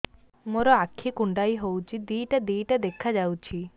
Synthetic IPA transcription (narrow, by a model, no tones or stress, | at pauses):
moɾɔakʰːikuɳɖajɦowt͡ʃʰid̪ijʈad̪ijʈad̪ekʰad͡ʒawt͡ʃʰi